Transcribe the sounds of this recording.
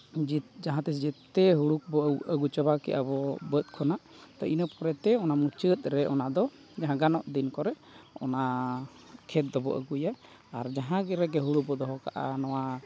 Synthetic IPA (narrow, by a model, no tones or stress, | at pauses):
d͡ʒd͡ʒaɦãt̪ɛsd͡ʒɛt̪ːɛɦuɽuk̚bɔəɡut͡ʃəbakɛ̰ʔa̰bɔbət̪̚kʰɔnaʔ | t̪ɔ̰inəp̚kɔɾɛt̪ɛɔnamut͡ʃət̪̚ˀɾɛʔɔnaʔd̪ɔ | d͡ʒaɦãɡanɔʔd̪inkɔɾɛ | ɔ̰na | kʰɛt̪̚d̪ɔbɔ̰ʔə̰ɡujaː | ɾd͡ʒaɦãɡɛɾɛɡɛɦuɽuk̚bɔd̪ɔɦɔkaʔa̰nɔwa